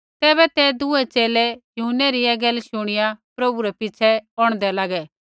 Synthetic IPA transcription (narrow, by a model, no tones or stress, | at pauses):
t̪ɛːbɛt̪ɛd̪ʊɛt͡ʃeːlɛjʊɦʊnːɛɾiɛɡɐlʃʊɽ̃ɪjapɾɐbuɾɛpɪt͡ʃʰɛɔɽ̃d̪ɛlaːɡɛ